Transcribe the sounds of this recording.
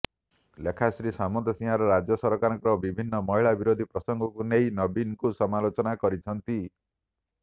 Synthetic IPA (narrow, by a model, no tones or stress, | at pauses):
lekʰasɾisamɔt̪ɔsĩɦaɾɔɾad͡ʒjɔsɔɾkaɾɔŋkɔɾɔbibʱinːɔmɔɦiɭabiɾod̪ʱipɾɔsɔŋɡʱɔkuneinɔbinkusɔmalot͡ʃɔnakɔɾit͡ʃʰɔnt̪i